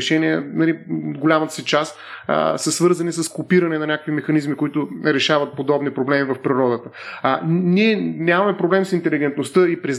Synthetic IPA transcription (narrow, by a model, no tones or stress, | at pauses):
ʃɛniɛnɐliod̪ɡolʲamət̪ə̥sit͡ʃast̪ | səsvɤɾzɐnisəskopiɾɐnɛnɐnʲakəkvimɛxɐnizmikʊit̪ʊɾɛʃavət̪̚pod̪ɔbnipɾoblɛmivɐfpɾiɾɔd̪ət̪ə | niɛnʲamɐmɛpɾoblɛmisint̪ɛliɡɛnt̪nost̪əipɾɛz